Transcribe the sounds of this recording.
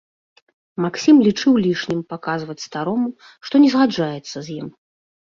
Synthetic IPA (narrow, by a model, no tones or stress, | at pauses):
maksʲimlʲit͡ʂɨwlʲiʂnʲimpakazvɐt͡sʲst̪aɾɔmu | ʂt̪ɔnʲɛzɣad͡ʐajɛt̪sːɐzʲjim